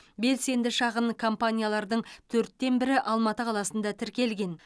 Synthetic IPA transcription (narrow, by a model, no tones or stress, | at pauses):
be̞lse̞nd̪ɪʃɑʁəɴkʰo̞mpanʲijalˠɑɾd̪əɴt̪ʰɵɾt̪ːe̞nbɪɾɪʔɑlˠmɑt̪əqʰɑlˠɑsənd̪ɑt̪ʰɪɾkʲe̞lɡʲe̞n